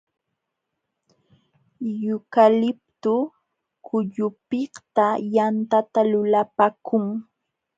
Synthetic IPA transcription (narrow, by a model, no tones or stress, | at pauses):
jʊkalɪp̚t̪ʊ | kʰʊʎʊpɪht̪ajant̪at̪alʊlapakʊŋ